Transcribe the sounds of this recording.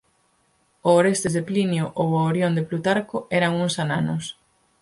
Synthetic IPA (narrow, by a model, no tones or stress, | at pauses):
ooɾest̪ɪzðeplinjoʔowaoɾjond̪eplut̪aɾkoɛɾɐŋuŋsananʊs